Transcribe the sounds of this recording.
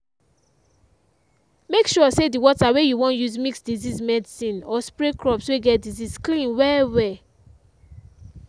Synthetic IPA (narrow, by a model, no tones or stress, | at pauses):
mekʃɔsediwɔtawejuwɔ̃njuzmiksdizizmɛdisĩnɔspɹekɹɔpsweɡɛt̚dizisklĩnwɛwɛ